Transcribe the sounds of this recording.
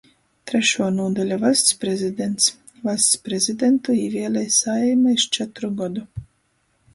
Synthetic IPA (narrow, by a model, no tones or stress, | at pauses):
t̪ɾɛʃuɔnuɔd̪ɛlʲavast̪spɾɛzʲid̪ʲent̪s | vasʲt̪spɾezʲid̪ʲent̪uiːvʲiɛlʲɛjsaɛjmaiʃt͡ʃɛt̪ɾuɡɔd̪u